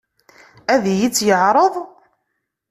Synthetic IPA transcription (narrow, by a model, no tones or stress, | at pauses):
æðjit͡sːjəʕɾˤəðˤ